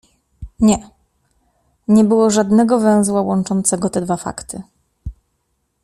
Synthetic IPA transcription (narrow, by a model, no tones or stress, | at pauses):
ɲɛ | ɲɛbɘwɔʐad̪nɛɡɔvɛ̃w̃zwawɔnt͡ʂɔnt̪sɛɡɔt̪ɛd̪vafa̰kt̪ʰɘ